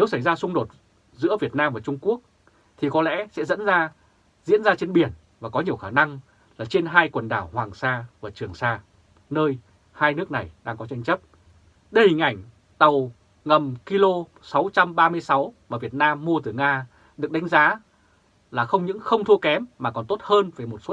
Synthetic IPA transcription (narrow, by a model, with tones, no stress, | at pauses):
ne˨˦wsa˧˩jzaː˧sʊ˧ŋ͡mɗo˨˩t̚ | zɨ̰˧˥əvi˨˩ət̚naː˧mvaː˨˩t͡ɕʊ˧ŋ͡mku˦˥ək̚ | t̪ʰi˨˩kɔ˨˦lɛ̰˧˥sɛ̰˧˥zə̰˧˥nzaː˧ | zḭ˧˥ənzaː˧t͡ɕe˧nɓi˨˩ən | vaː˨˩kɔ˨˦ɲi˨˩əwxaː˧˩na˧ŋ | laː˨˩t͡ɕe˧nɦaː˧jkwə˨˩nɗaː˧˩whwaː˨˩ŋsaː˧vaː˨˩t͡ɕɨ˨˩əŋsaː˧ | nəː˧j | haː˧jnɨ˦˥ək̚na˨˩jɗaː˧ŋkɔ˨˦t͡ɕa˧jŋ̟t͡ɕə˦˥p̚ | ɗə˧jhï˨˩ŋ̟ʔa˧˩jŋ̟ | t̪ə˨˩w | ŋə˨˩mki˧lo˧ | sa˨˦wt͡ɕa˧mɓaː˧mɨ˧əjsa˨˦wmaː˨˩vi˨˩ət̚naː˧mːu˧ət̪ɨ˨˩ŋaː˧ | ɗɨ˨˩ək̚ɗa˨˦ŋ̟zaː˨˦ | laː˨˩xə˧wŋ͡mɲɨ̰˧˥ŋxə˧wŋ͡mt̪ʰu˧əkɛ˨˦mːaː˨˩kɔ˨˩nt̪o˦˥t̚həː˧nve˨˩mo˨˩t̚so˦˥